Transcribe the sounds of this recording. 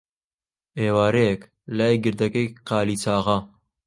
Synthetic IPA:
eːwaːɾek | laːjɡɪɾd̪ɐkɐjqaːliːt͡saːʁɐ

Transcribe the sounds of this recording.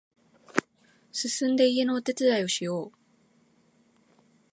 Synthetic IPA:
sɨsɨ̃nd̪e̞ie̞noːt̪e̞t͡sɨd̪aio̞ɕijo̞ː

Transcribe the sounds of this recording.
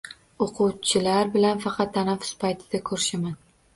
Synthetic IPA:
oqʰʊwt͡ʃʰɪlaɾbɪlanfɑqʰɑt̪ːanafʊ̥spʰajt̪ʰɪd̪̥akʰɵɾɪʃaman

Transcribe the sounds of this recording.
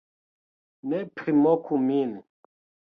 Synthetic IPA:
nɛpɾimɔkʰumin

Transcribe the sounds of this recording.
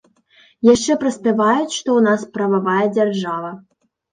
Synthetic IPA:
jaʂt͡ʂɛpɾɐsʲpʲɛvajut͡sʲʂt̪ɔunaspɾɐvavajɐd͡zʲarʐavɐ

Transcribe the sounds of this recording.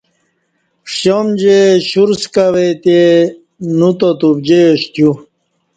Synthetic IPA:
ɕomd͡ʑeɕuɾskawet̪e | nut̪ot̪ub̚d͡ʑeɕt̪ju

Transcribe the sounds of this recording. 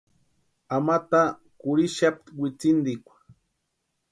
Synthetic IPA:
amat̪a | kʊɾiʃap̚t̪wɪt͡sɪnd̪ɪkʷḁ

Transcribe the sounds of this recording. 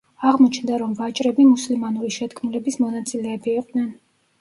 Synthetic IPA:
aʁmɔt͡ʃʰnd̪aɾɔmvat͡ʃʼɾɛbimuslimanuɾiʃɛt̪kʰmulɛbismɔnat̪sʼilɛːbiːqʼd̪nɛn

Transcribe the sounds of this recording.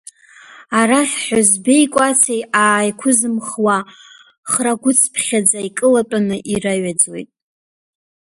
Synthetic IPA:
aɾaχħʷᶣazbejkʷʼat͡sʰejaːjkʷʰʊzɨmχwa | χraɡʷʊt͡sʰpʰχʲad͡zaikʼɨlatʼanɨʔiraɥad͡zwḛjtʼ

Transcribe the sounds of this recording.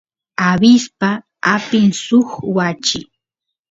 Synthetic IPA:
abɪspa | apɪŋsʊxwat͡ʃɪ

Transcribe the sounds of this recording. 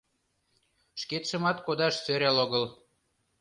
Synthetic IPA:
ʃket̪ʃə̆mɑt̪kod̪ɑʃsøɾʲæloɣɤl

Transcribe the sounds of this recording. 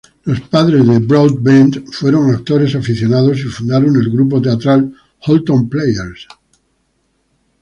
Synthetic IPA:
lo̞spaðɾe̞zðebɾowd̪̚bend̪fwe̞ɾo̞ŋak̚t̪o̞ɾe̞safiθjo̞nað̞o̞sifund̪aɾone̞lɣɾup̬o̞t̪e̞at̪ɾal | xolt̪õmplejeɾs

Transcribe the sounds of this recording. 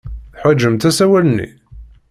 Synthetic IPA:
θħad͡ʒːəmt̪æsæwælənːḭ

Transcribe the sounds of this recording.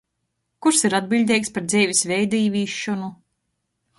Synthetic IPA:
kuɾsiɾad̪̚bilʲd̪ʲɛjkspaɾd̪zɛːvʲisvɛjd̪iːvʲiːʃːɔnu

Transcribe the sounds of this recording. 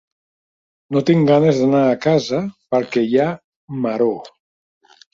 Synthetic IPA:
not̪iŋɡanezðanaːkazəpəɾkɛja | maɾo

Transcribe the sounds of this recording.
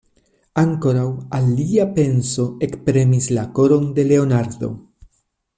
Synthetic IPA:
aŋko̞ɾawaliape̞nso̞e̞kpɾe̞mislako̞ɾo̞nde̞le̞o̞naɾd̪o̞̰

